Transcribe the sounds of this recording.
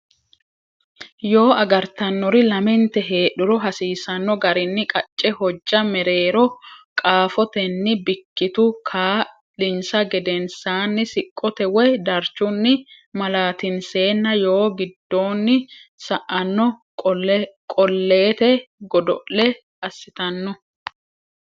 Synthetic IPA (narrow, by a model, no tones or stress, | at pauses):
jo̞ːɐɡɐɾt̪ɐnːɔɾɪlɐmɛnt̪ɛɦe̞ːɗʊɾɔɦɐsiːsɐnːɔɡɐɾɪnːɪkʼɐt͡ʃʼːɛhɔd͡ʒːɐmɛɾe̞ːɾɔkʼaːfɔt̪ɛnːɪbɪkːɪt̪ʊkʰaː | lɪnsɐɡɛd̪ɛnsaːnːɪsɪkʼːɔt̪ɛwɛd̪ɐɾt͡ʃːʊnːɪ | mɐlaːt̪ɪnse̞ːnːɐjo̞ːɡɪd̪ːo̞ːnːɪsɐʔɐnːɔ | kʼɔlːeːt̪ɛɡɔd̪ɔʔlɛ | ɐsːɪt̪ɐnːɔ